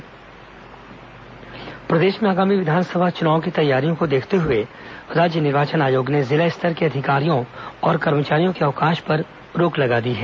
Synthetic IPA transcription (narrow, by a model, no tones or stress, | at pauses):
pɾɐd̪eːʃmẽaːɡaːmiʋɪd̪ʱaːnsəbʱat͡ʃʊnaːõkit̪ɐjːaːɾijõkod̪eːkʰt̪eɦʊe | ɾaːd͡ʒənɪɾʋaːt͡ʃənaːjoːɡnezɪlaɪst̪ʰəɾkeɐd̪ʱɪkaːɾijõɔːɾkɐɾmət͡ʃaːɾijõkeɐʋkaːʃpɐɾ | ɾoːklɐɡad̪iɦɛː